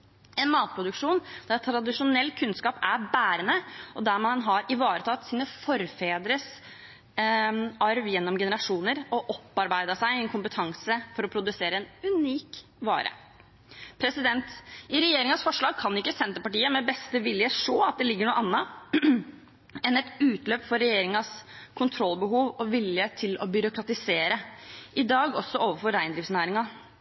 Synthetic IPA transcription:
ɛnmɑːt̪̚pʰɾʊd̪ʉkʂuːnd̪æɾɛt̪t̪ʰːɾɑd̪ɪʂʊnɛlːkʰʉnskɑːpæɾbæːɾənəɔd̪æɾmɑnɦɑɾɪʋɑːɾət̪ʰɑːt̪siːnəfɔɾfeːd̪ɾəs | ɑɾʋjɛnːɔmɡɛnəɾɑʂuːnəɾɔʔɔpːɑɾbæɪd̪əsæɪɛnkʰʊmpət̪ʰɑŋsəfɔɾɔpʰɾʊd̪ʉseːɾəɛnʉniːkʋɑ̰ːɾʔə̰ | pʰɾɛsɪd̪ɛnt̪ɪɾɛjeːɾɪŋɑsfɔʂɭɑːɡ̚kʰɑnɪkːəsɛnt̪əpɑʈiːəmɛbɛst̪əʋɪljəʂoːɑt̪̚d̪ɛlɪɡːəɳuːəʔɑnːɑ | ɛnɛt̪ʉːt̪løːpfɔɾːɛjeːɾɪŋɑskʰʊnt̪ʰɾɔlbəɦuːʋɔʋɪljət̪ʰɪlɔbʏɾʊkɾɑt̪ɪseːɾəʔɪd̪ɑːɡɔsːɔʔoːʋəfɔɾɾæɪnd̪ɾɪːftsnæːɾɪŋɑ

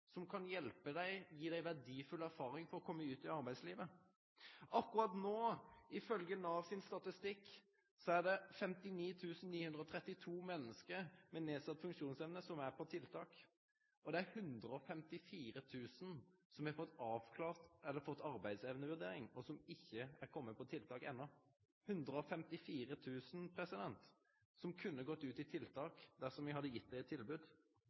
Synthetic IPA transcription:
sɔmkʰɑnjɛlpəd̪æɪjiːd̪æɪʋæʁɖ̪iːfʉlæʁfɑːɾɪŋfɔɾʁɔkʰɔmːəʉːt̪ɪɑɾbæɪd̪sliːʋə | ʔɑkːʊɾɑt̪noːɪfœlɡənɑʋsɪnst̪ɑt̪ɪst̪ɪkː | sɔæd̪ɛfɛmt̪ɪniːt̪ʰʉːsn̩niːhʉnd̪ɾəɔt̪ʰɾɛt̪ːɪt̪ʰuːmɛnːəskəɾmɛneːsɑt̪ːfʉŋkʂuːnsɛʋnəsɔmæɾpʰɔt̪ʰɪlt̪ʰɑːk | ʔɔd̪ɛæɾhʉnd̪ɾʁəɔfɛmt̪ɪfiːɾət̪ʰʉːsnsɔmɪhɑfɔt̪ːɑːʋkʰlɑːʁt̪ɛlːəɾfɔt̪ːɑʁbæɪd̪sɛʋənəʋʉʁd̪eːɾɪŋɔsɔmɪçːəæɾkʰɔmːəpʰɔt̪ʰɪlt̪ʰɑːkɛ̰nːɔ | hʉnd̪ʁəɔfɛmt̪ɪfiːʁət̪ʰʉːsn̩pʰʁɛsɪd̪ɛnt̪ | sɔmkʰʉnːəɡɔt̪ːʉːt̪ɪt̪ʰɪlt̪ʰɑːkd̪æsɔmʋɪhɑd̪ːəjɪt̪̚ːæɪɛt̪ʰːɪlbʉːd̪

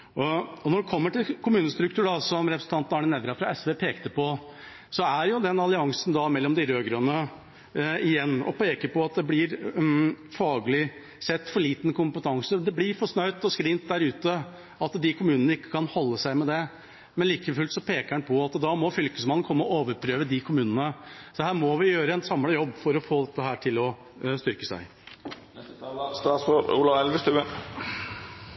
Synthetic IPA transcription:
ɔɔnɔɖɛkʰɔmːəʈɪlkʰʊmʉːnəst̪ɾʉkt̪ʉːɖɑsɔmɾɛpɾəsən̩t̪ɑnt̪nɑɳɪnɛːd̪ɾɑfɾɑɛsʋeːpʰeːkt̪əpɔ | sɔæɾjʊd̪ɛnɑlɪɑŋsnd̪ɑmɛlːɔmd̪ɪɾøːɡɾœnə | ɪjɛnːɔ̰peːkəɾpɔɑt̪̚d̪ɛblɪɾ | fɑːɡəlɪ | sɛt̪ːfɔɭiːt̪nkʊmpət̪ʰɑŋsəd̪ɛblɪɾfɔʂnœʏt̪ɔskɾɪnt̪̚d̪æɾʉːt̪ə | ɑt̪d̪ɪkʰʊmʉːnənəɪkːə̥kʰɑnhɔlːəsæɪmɛd̪ɛ | mɛnliːkəfʉːlt̪sɔpʰeːkəænpʰɔɑt̪d̪ɑmɔfʏlkəsmɑnːnkʰɔmːəɔoːʋəɾpʰɾøːʋəd̪ɪkʰʊmʉːnənəsɔhæːɾmɔʋɪjøːɾəɛnsɑmləjɔbːfɔɾɔfoːd̪ɛt̪ːəɦæːʈʰɪlɔ | st̪ʏɾkəsæ̰ɪ | st̪ɑsɔṵlɑʋɛlʋəst̪ʉə

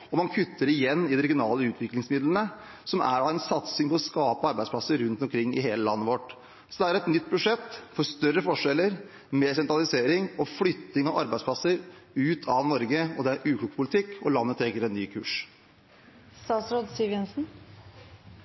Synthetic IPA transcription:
ɔmɑnkʰʉt̪ʰːəɾɪjɛnːɪd̪ɛɾɛɡɪʊnɑːləʉːt̪ʰʋɪklɪŋsmɪd̪lənə | sɔmʔæ̰ɖɑɛnsɑt̪sɪŋpʰɔɔskɑːpəɑɾbæɪdsplɑsəɾɾʉnt̪ɔmkʰɾɪŋːɪ̰ɦeːləlɑ̰nːəʋɔʈ | sɔd̪ɛæɾɛt̪nʏt̪̚ːbʉʂɛt̪ːfɔst̪œrːəfɔʂɛlːəɾ | mɛsɛnt̪ɾɑlɪseːɾɪŋɔflʏt̪ːɪŋɑʋʔɑ̰ɾbæɪsplɑsəɾʉːt̪ʰɑʋnɔɾɡəɔd̪ɛæɾʔʉːkʰluːɡpʰʊlɪt̪ʰɪkːɔlɑnːət̪ʰɾɛɡəɾɛnːyːkʰʉ̰ːʂ | st̪ɑːsɾod̪siːʋjɛnsn̩

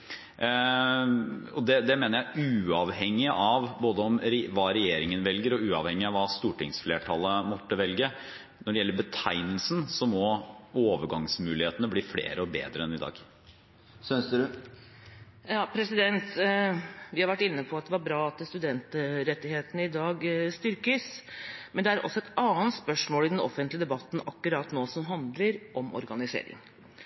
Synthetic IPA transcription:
ɔd̪ɛd̪ɛmeːnəɾjæɪʔʉːɑʋhɛŋːɪʔɑʋboːd̪əɔmɾʋɑːɾɛjeːɾɪŋənʋɛlɡəɾɔʉːɑʋhɛŋːɪɑʋɑːst̪uːʈɪŋsfleːʈʰɑlːəmɔt̪ːəʋɛlɡə | nɔɖɛjɛlːəbət̪ʰæɪnəlsnsɔmɔoːʋəɡɑŋsmʉːlɪheːt̪ənəbliːflḛːɾəɔbḛːd̪ɾəɛnɪd̪ɑ̰ːɡ | sœns | jɑːpʰɾɛsɪd̪ɛnt̪ | ʋɪhɑɾʋæʈːɪnːəpʰɔɑt̪̚d̪ɛʋɑɾbɾɑːɑt̪st̪ʉd̪ɛnt̪ɾɛt̪ːɪheːt̪ənəɪd̪ɑːɡst̪ʏɾkəsmɛnd̪ɛæɾɔ̰sːɔɛt̪ɑːənt̪spœʂmoːlɪd̪ɛnɔ̰fənt̪lɪəd̪ɛbɑt̪ːn̩ɑkːʉɾɑːt̪noːsɔmɦɑnd̪ləɾʔɔmʔɔ̰ɾɡɑnɪsḛːɾɪ̰ŋ

